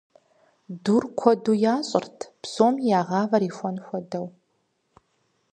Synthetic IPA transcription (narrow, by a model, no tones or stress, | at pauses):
durkʷʰɔduːjaːɕʼɪ̰rtʰpsoːmjaːʁɑːvɐɾiːxʷɔnxʷɔdɐw